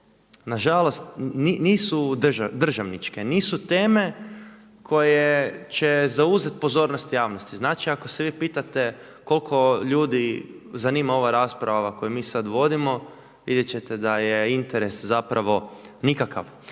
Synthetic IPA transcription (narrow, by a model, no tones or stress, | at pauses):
naʒalost̪niniːsud̪ʒad̪r̩ʒaʋnit͡ʃkeniːsut̪e̞ːme̞ | kʰo̞jet͡ʃezauzet̪̚po̞zo̞ɾnost̪jaːʋnost̪iznaːt͡ʃiako̞seʋiːpiːt̪at̪e | ko̞lˠkʰo̞ʎuːd̪i | zaniːmao̞ʋaɾaːspɾaʋaʋako̞jumiːsad̪ʋo̞d̪imo̞ | ʋḭd̪jet͡ɕet̪ed̪ajeint̪eɾe̞szapɾʔaʋo̞nikaka̰ʋ